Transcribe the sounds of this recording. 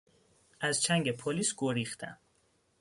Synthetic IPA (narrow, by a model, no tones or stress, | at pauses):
ʔæzt͡ʃʰæŋɟe̞pʰoliːsɡ̥oɾixt̪ʰæ̰m